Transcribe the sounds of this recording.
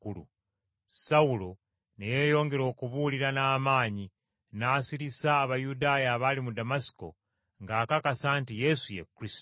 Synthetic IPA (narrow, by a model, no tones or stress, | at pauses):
kulṵ | saulo | nejeːjo̞ːŋɡe̞ɾo̞ːkuβuliɾanaːmaːɲi | naːsiɾisaːβajudaːjaːβalimudamasi̥ko̞̰ | ŋɡaːkakasaːntije̞sujḛkuɾisto